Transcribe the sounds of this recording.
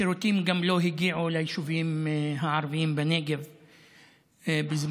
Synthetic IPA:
iɾut̪imɡamlo̞ɦiɡiʕulajiʃuvimɦaʕaɾviimbeneɡev | bizm

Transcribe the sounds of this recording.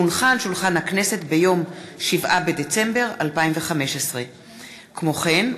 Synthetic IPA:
unχanʃulχanhakne̞se̞tbe̞jo̞mʃivʔabe̞d̪et͡se̞mbe̞ʁalpaimveχameʃesʁe̞ | kmo̞χe̞n

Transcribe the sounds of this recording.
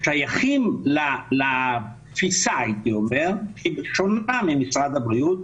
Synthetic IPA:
ʃajaχimlala | fisajt̪iomeʁkiʃonamimisʁad̪abʁiut̪̚

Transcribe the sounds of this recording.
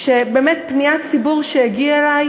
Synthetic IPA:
ʃebeːmet̪̚pniat͡sibuʁʃejaɡiaelaj

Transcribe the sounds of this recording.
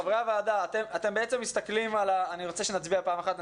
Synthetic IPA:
avʁavaːd̪aːt̪emat̪e̞mbeet͡se̞mːist̪aklimalaːniʁot͡se̞ʃe̞nat͡sbiapaːmaχat̪n

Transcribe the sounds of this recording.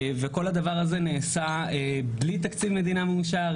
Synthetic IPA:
veko̞lhad̪avaʁazeneːsaeblit̪akt͡sivme̞d̪inamemuʃaʁ

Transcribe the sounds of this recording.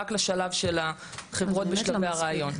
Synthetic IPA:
aklaʃalavʃe̞la | χevʁo̞t̪̚beʃlaveaʁaːajo̞n

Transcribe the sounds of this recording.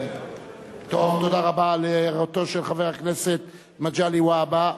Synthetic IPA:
t̪ovt̪odaʁabaleʁat̪o̞ʃelχaveʁakneset̪ | mad͡ʒaliwaba

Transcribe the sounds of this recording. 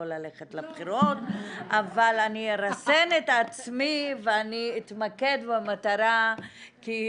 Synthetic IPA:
olaleχetlabχiɾot̪ʔavalanieɾase̞netat͡smiveaniit̪make̞d̪bamataɾa | ki

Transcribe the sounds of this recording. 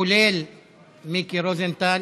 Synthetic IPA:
ulel | mikiɾozent̪al

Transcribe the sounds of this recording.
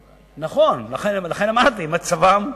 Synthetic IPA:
naχonlaχenlaχenamadt̪imat͡savam

